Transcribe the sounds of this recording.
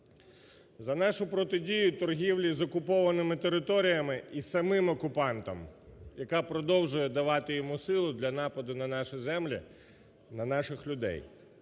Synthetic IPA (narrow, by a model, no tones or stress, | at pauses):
zɐnɑʃʊpɾɔt̪ɪdʲijʊt̪ɔrɦʲiwlʲizɔkʊpɔʋɐnɪmɪt̪eɾɪt̪ɔɾʲijɐmɪisɐmɪmɔkʊpɑnt̪ɐmjɐkɑpɾɔd̪ɔwʒʊjɛd̪ɐʋɑt̪ɪjɔmusɪlˠʊd̪lʲɐnɑpɐd̪ʊnɐnɑʃɛzɛmlʲḭ | nɐnɑʃɪxlʲʊd̪ɛ̰j